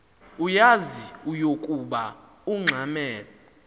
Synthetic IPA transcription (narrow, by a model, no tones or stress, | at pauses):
ujaziujokʼuɓa | uŋ͡ǀʱamɛːlɔ